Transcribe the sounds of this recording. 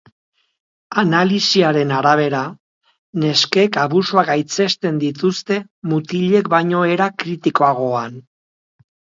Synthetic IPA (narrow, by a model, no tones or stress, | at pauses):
analisiaɾe̞naɾaβ̞e̞ɾa | ne̞ske̞kaβusuaɡajt͡se̞st̪e̞nd̪it̪ust̪e̞ | mut̪iʎe̞kbajɲo̞e̞ɾakɾit̪iko̞aɣ̞o̞an